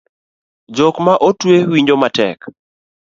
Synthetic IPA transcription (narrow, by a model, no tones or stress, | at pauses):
d͡ʒɔkmaʔotwewiɲd͡ʒomatɛ̰k